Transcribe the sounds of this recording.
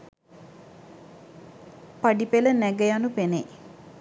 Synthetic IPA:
paɖipelənæɡəjanupene

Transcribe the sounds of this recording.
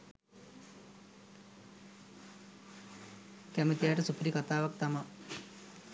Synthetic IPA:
kɐmit̪ijaːʈɐsupɾikɐt̪aːʋɐkt̪ɐmɐ

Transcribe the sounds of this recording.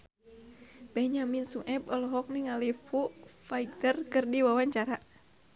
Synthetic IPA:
bɛɲaminsuʔɛbɔlɔɦɔk̚niŋalifufaiɡ̚tərkɨrdiwawaɲt͡ʃaɾa

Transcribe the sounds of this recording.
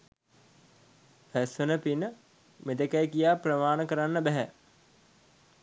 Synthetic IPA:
fæsʋenəpinə | med̪əkæjkijaːprəmaːnəkəɾanːəbæɦæ

